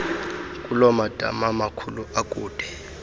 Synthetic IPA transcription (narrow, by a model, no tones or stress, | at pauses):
kʼulɔmad̥ʱa̰mamakʰuluakʼuːd̥ʱɛ